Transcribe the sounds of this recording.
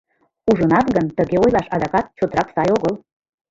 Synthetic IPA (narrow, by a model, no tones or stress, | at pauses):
uʒɤnɑt̪ɣənt̪əɣeojlɑʃɑd̪ɑkɑt̪̚t͡ɕot̪ɾɑksɑjoɣəl